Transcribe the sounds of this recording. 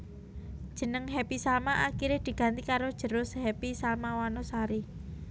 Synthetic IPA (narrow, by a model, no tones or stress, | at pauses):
d̥ʒ̥ə̤nəŋɦɛpisalmaʔakiɾed̪̥i̤ɡ̥a̤nt̪ikaɾod̥ʒ̥ə̤ɾʊshɛpisalmawanɔsaɾi